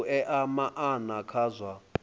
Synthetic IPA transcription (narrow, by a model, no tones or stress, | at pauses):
ʔɛʔamaʔanakʰaːzwa